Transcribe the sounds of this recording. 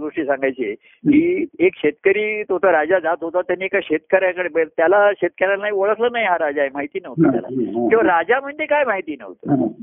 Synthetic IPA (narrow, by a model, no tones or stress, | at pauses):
ɡoʂʈiːsãŋɡajt͡ɕe | kiːekɕet̪kəɾiːt̪ɦot̪aɾad͡zad͡zat̪ɦot̪at̪janːiekaɕet̪kəɾjakəɽebət̪jalaɕet̪̚kəɾanːaioɭəklənaɦjɦaɾad͡zaemaɦit̪iːnəɦot̪aa̰la̰kĩw̃ʋaɾad͡ʑam̤əɳd͡zekajmaɦit̪iːnə̰ɦot̪ə̰